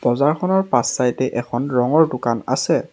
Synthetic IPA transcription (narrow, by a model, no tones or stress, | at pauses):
b̥ɔzaɹkʰɔnɔɹpasːajtɛʔɛkʰɔnɹɔŋɔɹdʊkana̰sɛ